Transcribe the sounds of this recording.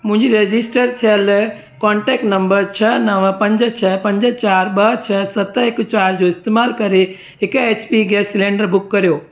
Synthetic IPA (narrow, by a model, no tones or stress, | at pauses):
mʊ̃ɦɪ̃ɲd͡ʒiɾed͡ʒisʈəɾt͡ʃʰel | kɔːɳʈɛːk̚ʈnɐ̃mbəɾt͡ʃʰənəʋpɐ̃ɲd͡ʒət͡ʃʰəpɐ̃ɲd͡ʒət͡ʃaːɾɓəɦt͡ʃʰəsɐt̪əekut͡ʃaːɾd͡ʒoɪst̪emaːlkɐɾe | ekeːt͡ʃpiɡɛslẽːɳɖəɾbʊkːɐɾijoː